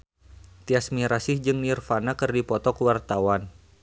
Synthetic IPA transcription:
t̪iasmiɾasɪhd͡ʒɨŋnirfanakɨrdipɔt̪ɔkəwart̪awan

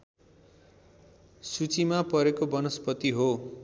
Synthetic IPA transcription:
sut͡simapʌɾekobʌnʌspʌt̪iɦo

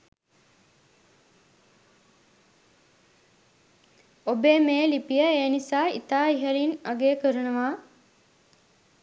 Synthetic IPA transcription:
obeːmeːlipijəeːnisaːḭt̪aːiɦəɾinaɡeːkəɾunəʋaː

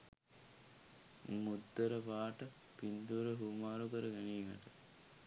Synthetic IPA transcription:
mud̪ːəɾəʋaːʈə | pind̪uɾəɦumaːɾukəɾəɡæniːŋɐ̰ʈə

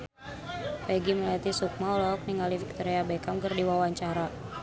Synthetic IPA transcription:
pɛɡiməlat̪isuk̚mawlɔk̚niŋɡalifik̚t̪oɾiabɛkamkərdiwawaɲt͡ʃaɾa

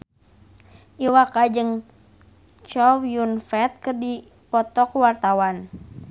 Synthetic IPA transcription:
ʔiwakad͡ʒɨŋ | t͡ʃɔjunfɛt̪̚kɨrdi | pɔt̪ɔkwart̪awan

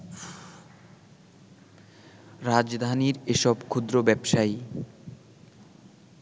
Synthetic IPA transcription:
ɾad͡ʑd̪ʱaniɾeʃɔbkʰud̪ɾobɛbʃaj

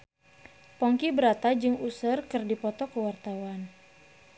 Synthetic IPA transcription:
pɔŋkibəɾat̪ad͡ʒɨŋusərkɨrdipɔt̪ɔkəwart̪awan

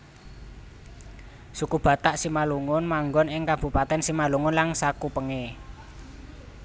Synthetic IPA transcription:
sukub̥ä̤t̪aʔsimaluŋʊnmaŋɡɔnɪŋkab̥ṳpat̪ɛnsimaluŋʊnlaŋsakupəŋe

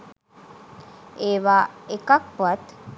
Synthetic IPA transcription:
eːʋaːekak̚puʋat̪

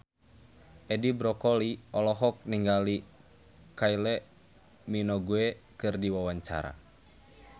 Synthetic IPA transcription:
ʔɛdibɾɔkɔliɔlɔɦɔk̚niŋɡali | kailɛ | minɔɡuɛkɨrdiwawaɲt͡ʃa̰ɾa̰

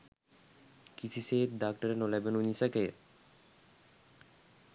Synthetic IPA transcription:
kisʰiset̪̚dak̚ʈaɾenolɛbenuɲisake

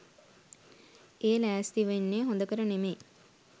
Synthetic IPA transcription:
eːlæːst̪iʋenːeːɦond̪əkəɾəneme

